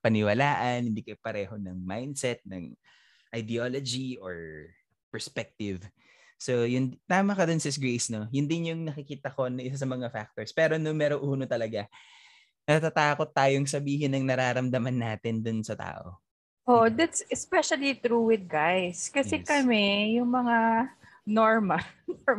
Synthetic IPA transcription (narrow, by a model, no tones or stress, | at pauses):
pɐnɪwɐlaːʔɐnhɪnd̪iːkɐjpɐɾɛːho̞nɐŋmajnd̪̚sɛt̪̚nɐ̰ŋ | ʔɐjd̪ɛoːlod͡ʒiʔoɹ | pɛɹspɛk̚t̪ɪv | sojʊnt̪aːmɐkɐd̪onsɪs̬ɡɹejsno̞jʊnd̪ɪnjʊŋnɐkɪkiːt̪ɐko̞nɐʔɪsas̬ɐmɐŋafak̚t̪oɹspɛːɾo̞nomɛːɾoʔuːno̞t̪ɐlɐɡa | nɐt̪at̪aːko̞t̪ːaːjoŋs̬ɐbiːɦɪnːɐŋnɐɾaːɾɐmd̪ɐmɐnːaːt̪ɪnd̪onsɐt̪a̰ːʔo̞̰ | ʔoʔd̪at̪sɛspɛʃɐlit̪ɾuwɪd̪̚ɡajskɐsɛkɐmɛjʊŋmɐŋa | noɹmɐno